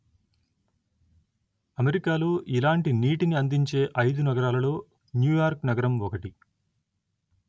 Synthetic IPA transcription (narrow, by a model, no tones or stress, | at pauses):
ɐmeɾikaːloːʔilaːɳʈiniːʈiniɐnd̪iɲt͡ʃe̞ːʔɐjd̪unɐɡɐɾaːlɐlo̞ː | njuːjaːɾknɐɡɐɾɐmɔkɐʈi